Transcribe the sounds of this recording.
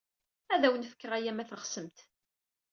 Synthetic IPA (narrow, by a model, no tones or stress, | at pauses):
æðæwənfə̥kːəʁæjæmæθəχsəmt̪